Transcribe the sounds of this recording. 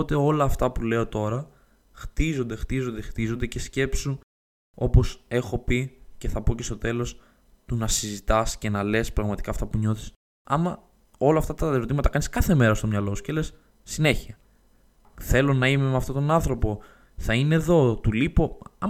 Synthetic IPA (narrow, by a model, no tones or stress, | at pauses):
ot̪eo̞lɐːft̪ɐpule̞o̞t̪o̞ɾɐ | xt̪izo̞nd̪e̞xt̪izo̞nd̪e̞xt̪izo̞nd̪ece̞sce̞psu | o̞po̞se̞xo̞pice̞θɐpo̞ce̞st̪o̞t̪e̞lo̞s | t̪unɐsizit̪ɐsce̞nɐle̞spɾɐɣmɐt̪i̥kɐːft̪ɐpuɲo̞θi̥s | ɐmɐ | o̞lɐft̪ɐt̪ɐt̪eɾo̞t̪imɐt̪ɐkɐniskɐθe̞me̞ɾɐst̪o̞mɲɐlo̞su̥ce̞le̞sː | ine̞çiɐ | θe̞lo̞nɐime̞meɐft̪o̞t̪o̞nɐnθɾo̞po̞ | θɐine̞ðo̞t̪ulipo̞ɐ